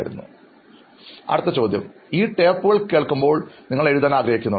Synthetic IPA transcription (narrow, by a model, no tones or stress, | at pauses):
jiɾṵnːṵ | ɐ̰ɽɨt̪ːɐt͡ɕo̞ːd̪jɐmiːʈe̞ːpːuɣɐɭke̞ːɭkːumbo̞ːɭniŋːɐɭe̞ɻuðaːnaːɡɾɐɦikʲːunːɐ